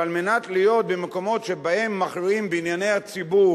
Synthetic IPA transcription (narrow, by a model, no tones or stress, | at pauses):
almenat̪lijo̞t̪̚bemeko̞mo̞t̪ʃebahemːaχɾiimbeinjane̞jhat͡sibu